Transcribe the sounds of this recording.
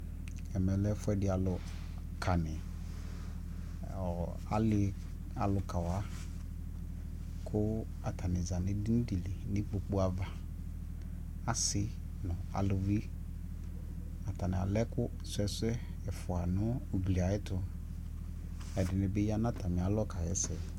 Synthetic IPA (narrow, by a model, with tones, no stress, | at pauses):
ɛ˨mɛ˨lɛ˦fʊ˦ɛ˦dɪ˨˦a˨lʊ˨ | kʰa˨nɪ˨ | ɔ˨ | a̰˨˦lɪ˦ | a˨lʊ˨ka˨wa˦ | kʰʊ˦ | a˨ta˨nɪ˨za˨nɪ̃˨dɪ˦n̩˦di˨li˨nɪ˦k͡po˨k͡pu˦a˨va˨ | a˨sɪ˦ | nʊ̃˨a̰˨lʊ˨vi˦ | a˨ta˨nɪ̃˨a˨lɛ˦kʊ˦ | sɛ˦sɛ˦ | ɛ˨fʊ˨a˨nʊ̃˦o˨ɡ͡bli˨a˨˦ɪ˦tʊ˨ | ɛ˨dɪ˨nɪ˨bɪ˦ja˦na˦ta˨mɪ̃˨a˨˦lɔ˦ka˨ɣɛ˦sɛ˨